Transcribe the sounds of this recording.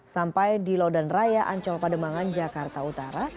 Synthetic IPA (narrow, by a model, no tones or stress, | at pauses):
sampajdilɔdɔnrajaʔaɲt͡ʃɔlpadəmaŋand͡ʒakart̪aut̪aɾa